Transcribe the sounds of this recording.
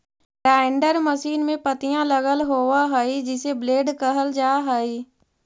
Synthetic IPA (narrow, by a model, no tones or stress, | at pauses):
ɾaːɪɳɖəɾməʃiːnmẽpət̪ijãləɣəlɦoːʋaɦəid͡ʒɪsebleːɖkəɦəld͡ʒaːɦəiː